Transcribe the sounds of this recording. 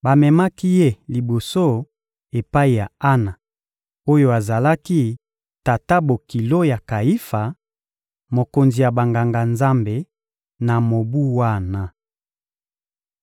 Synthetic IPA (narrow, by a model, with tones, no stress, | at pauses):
ba˨mɛ˨ma˦ki˦je˦˨li˨bo˨so˦ | e˨pa˦i˨ja˨a˦na˨ | o˦jo˦a˨za˨la˦ki˦ | ta˨ta˦bo˨ki˨lo˦ja˨ka˨i˦fa˨ | mo˨ko˨nzi˨ja˨ba˨ŋɡa˨ŋɡa˨nza˦mbe˨ | na˨mo˨bu˦wa˦˨na˨